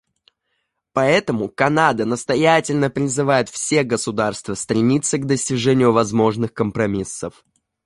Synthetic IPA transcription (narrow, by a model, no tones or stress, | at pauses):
pɐɛt̪əmʊkɐnad̪ənəst̪ɐjætʲɪlʲnəpɾʲɪzɨvajɪt̪fsʲe̞ɡəsʊd̪arst̪vəst̪ɾʲɪmʲit̪sːəɡd̪əsʲtʲɪʐɛnʲɪjʊvɐzmo̞ʐnɨxkəmpɾɐmʲisːəf